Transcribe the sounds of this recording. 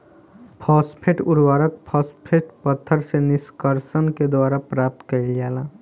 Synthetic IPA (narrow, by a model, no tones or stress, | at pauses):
pʰɔːspʰeʈʊɾwaːɾəkpʰɔspʰeʈpət̪ʰːəɾsenɪskəɾsənked̪waːɾapɾap̚t̪kəiljaːla